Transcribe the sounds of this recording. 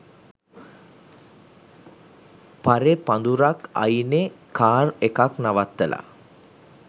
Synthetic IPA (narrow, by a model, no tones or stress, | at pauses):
paɾepand̪uɾaka̰jnekʰaːrekaknaʋat̪ːəlʔa̰